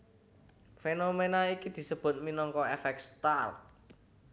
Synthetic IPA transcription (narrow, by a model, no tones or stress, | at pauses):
fenomenaikid̪̥i̤səb̥ʊ̤t̪̚minɔŋkɔefɛk̚st̪art̚